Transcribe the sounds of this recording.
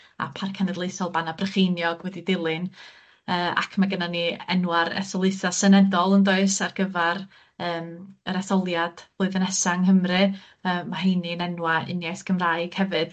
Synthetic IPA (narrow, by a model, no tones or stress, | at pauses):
a̰pʰarkʰanɛdlˠejθɔlˠbanabrəχejnjɔɡ̥wɛdidɪlˠɨn | əːa̰kʰmaɡənaniɛnwaɾɛ̰θɔlˠɨjθasɛnɛdɔlˠəndoɨsarɡ̥əvɛɾ | əːməɾɛθɔlˠjad̥bloɨðənɛsaŋɦəmrɨ | əːmaɦiːninɛnwaɪnjajθɡ̥əmraɨɡ̥hɛvɨd̥